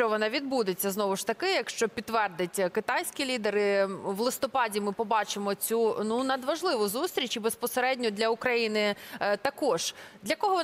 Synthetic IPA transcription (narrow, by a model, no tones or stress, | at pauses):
t͡ʃɔʋɔnɑʋʲid̪̚bud̪et͡sʲːɐznɔʋʊʃt̪ɐkɪjɐkʃt͡ʃɔpʲit̪ːʋɛrd̪ɪtʲkɪt̪ɑjsʲkʲilʲid̪eɾɪʋlˠɪst̪ɔpɑdʲimɪpɔbɑt͡ʃɪmɔt͡sʲununɐd̪ʋɐʒlˠɪʋʊzust̪ɾʲit͡ʃibespɔseɾɛdʲnʲɔd̪lʲɐʊkɾɐjinɪt̪ɐkɔʒ̥d̪lʲɐkɔɦɔɔ